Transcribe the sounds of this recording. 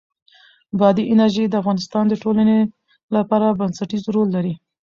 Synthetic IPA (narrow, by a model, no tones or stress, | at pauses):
bɑd̪iʔɪnaɾʒed̪əafɣɑnɪst̪ɑnd̪əʈolane | lapɑɾabansaʈizɾolːaɾi